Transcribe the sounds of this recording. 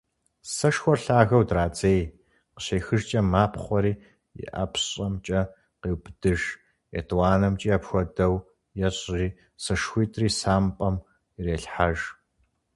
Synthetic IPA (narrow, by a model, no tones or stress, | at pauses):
sɐʃxʷɔrɬaːɣɐwdraːt͡sʼeːj | qə̥ɕeːxɨʒt͡ʃʼɐmaːpʰχʷɔɾiː | jɪ̰ʔa̰pʰɕʼɐmt͡ʃʼɐ | qeːwbd̥ɨʒ | ḛtʰʼwaːnɐmt͡ʃʼiːjɐpxʷɔdɐw | jɛɕʼriː | sɐʃxʷiːtʰʼriːsaːmpʼɐm | ireːɬħaʒ